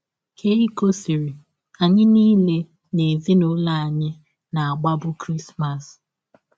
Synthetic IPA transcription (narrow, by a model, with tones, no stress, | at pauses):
kʰe˦i˦ko˦si˨ɾi˨ | a˨ɲɪ˦niː˦le˦ | ne˨zi˦nʊ˦la˦˨a˨ɲɪ˦ | na˨a˨ɡ͡ba˦bʊ˦kɾi˦sma˨s